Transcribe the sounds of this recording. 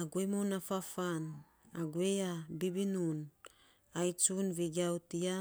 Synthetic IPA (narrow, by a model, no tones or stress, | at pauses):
aɡwemunafafan | aɡweabibinun | ajt͡ʃunviɡiautia